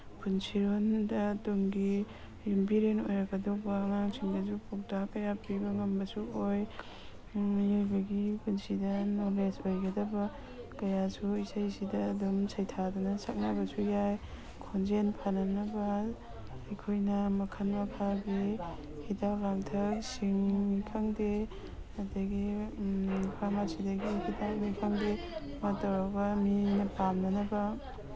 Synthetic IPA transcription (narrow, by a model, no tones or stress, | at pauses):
pʰunsiɾondɐtoŋɡi | jumbiɾenojɾɐɡɐdobaːŋaŋsʰiŋdɐzupʰok̚takɐjapibɐŋɐmbɐsuoj | jojbɐɡipʰunsidɐnolesbajɡɐdɐbɐ | kɐjasuisajsidɐːdumsʰɐjtʰadunɐsak̚nabɐsujaj | kʰond͡ʒenpʰananɐbɐ | ɐjkʰojnɐmɐkʰɐnmɐpʰabi | hitawlaŋtʰɐk̚siŋikʰaŋde | ɐtaɡi | pʰamasidɐɡihidawnikʰaŋde | mɐtawɾabɐminɐpamnɐnɐbɐ